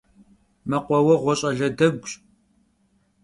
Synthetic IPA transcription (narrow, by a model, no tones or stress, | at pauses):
mɐqʷɔwɐʁʷɔɕʼɐɮɐdɐɡʷɕʼ